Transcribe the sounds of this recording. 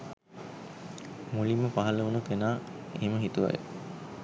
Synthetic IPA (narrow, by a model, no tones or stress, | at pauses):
mulimːəpaɦɐləunukenaːeməɦit̪uʋa̰jə̰